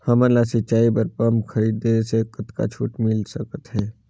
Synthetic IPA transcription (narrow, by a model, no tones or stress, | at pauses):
hɐmənlasɪt͡ʃaːipəɾpəmkʰəɾiːd̪esekət̪ka̰t͡ʃʰuːʈmɪlsəkət̪ɦɛː